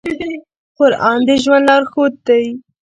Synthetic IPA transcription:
xʊɾɑ̰nd̪eʒwanlɑɾxot̪̚d̪aj

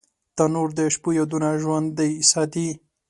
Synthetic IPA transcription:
t̪anoɾd̪eʃpujad̪unaʒwand̪ːejsat̪i

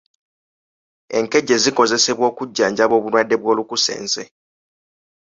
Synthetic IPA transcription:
e̞ŋke̞ɟːe̞ziko̞ze̞se̞βwo̞ːkuɟːaːɲɟaβo̞ːβulwadːe̞βwo̞ːlukuse̞̰ːnze̞

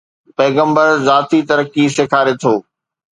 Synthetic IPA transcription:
pɛːɣə̃mbəɾzaːt̪it̪ɐɾəkisɪkʰaːɾet̪ʰoː

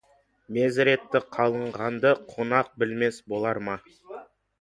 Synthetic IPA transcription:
me̞zɾe̞t̪ːɪqʰɑlˠəɴʁɑnd̪əqʰo̞nɑq̚bɪlme̞sbo̞lˠɑɾmɑ

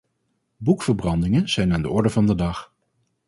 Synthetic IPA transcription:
bukfəɹbrɑndɪŋənz̥ɛjnaːndəɔɹdəvɑndədɑχ

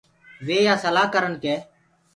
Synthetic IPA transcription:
ʋeːjaːsəlaːɦkəɾənkeː

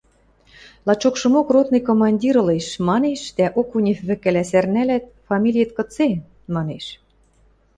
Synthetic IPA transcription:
lˠɑt͡ɕokʃɤ̆mokrot̪nɤkomɑnʲdʲiɾɤ̆leʃmɑneʃd̪æʔokunʲɘ̆fβɘ̆kæ̆læsærnælæt̪̚fɑmʲilʲijĕt̪kɤ̆t͡se | mɑneʃ

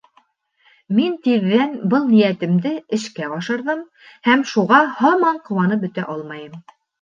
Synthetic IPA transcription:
mint̪iðːænbɤlˠnijæt̪ɘ̆md̪ɘɘ̆ʃkæɑʃɤ̆ɾðɤm | hæmʃuʁɑhɑmɑɴqŏwɑnɤp̚bɵ̆t̪æʔɑlˠmɑjɤm

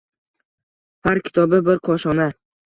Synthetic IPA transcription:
haɾkʲʰɪ̥t̪ʰɒbɪbɪɾqʰɒʃɒna

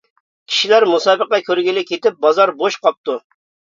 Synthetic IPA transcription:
kʲʰi̥ʃilæɾmusɑːbəqɑkʲʰøɾɡʲilɪkʲʰet̪ɪp̚bɑzɑɾboʃqʰɑp̚t̪u

